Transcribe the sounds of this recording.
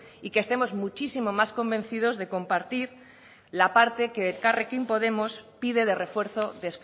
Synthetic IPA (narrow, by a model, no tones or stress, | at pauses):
ikest̪e̞mo̞zmut͡ʃisimo̞masko̞mbẽ̞n̟θið̞o̞zðe̞ko̞mpaɾt̪iɾ | lapaɾt̪e̞ke̞ðekarekimpo̞ð̞e̞mo̞spiðe̞ðe̞re̞fwe̞ɾθo̞ðesk